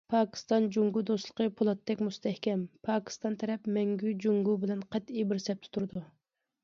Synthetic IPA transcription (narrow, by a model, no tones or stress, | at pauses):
pʰɑːkʲʰi̥st̪ɑnd͡ʒuŋɡud̪oslˠə̥qʰəpʰulˠɑt̪ːɛkʲmust̪ʰɛhkʲɛmpʰɑːkʲʰi̥st̪ɑnt̪ʰɛɾɛpmɛŋɡʲyd͡ʒuŋɡubɪlɛnqɑt̪ibɪɾsɛp̚t̪ʰu̥t̪ʰuɾɨd̪u